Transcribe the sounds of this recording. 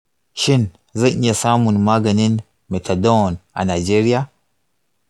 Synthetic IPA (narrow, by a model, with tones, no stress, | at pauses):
ʃi˦n | za˦ʔɲa˨sa˦mu˨nma˦ɡa˨ni˦n | me˨tʰa˨do˦˨nʔa̰˨na˨d͡ʒe˦ɾi˦ja˦